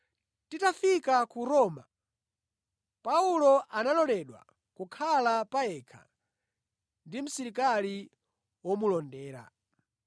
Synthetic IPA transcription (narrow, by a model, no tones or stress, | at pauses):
titafikakuɾɔːma | paulɔʔanalɔlɛɗwa̰ | kukʰalapaɛkʰa̰ | ndim̩siɾikali | wɔmulɔndɛːɾa̰